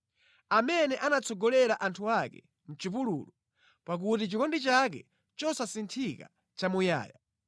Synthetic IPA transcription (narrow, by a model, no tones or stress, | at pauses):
amɛnɛʔanat͡sɔɡɔlɛɾaʔantʰuakɛ̰ | m̩t͡ʃipuluːlu | pak̬utit͡ʃikɔndit͡ʃakɛ | t͡ʃɔsasintʰika̰ | t͡ʃamuja̰ːja